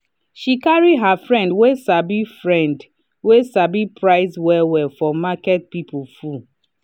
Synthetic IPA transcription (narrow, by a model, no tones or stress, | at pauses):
ʃikaɹiɦafɹɛ̃ndwesabifɹɛ̃nd | wesabipʰɹaɪswɛwɛfɔmakɛt̚pipufu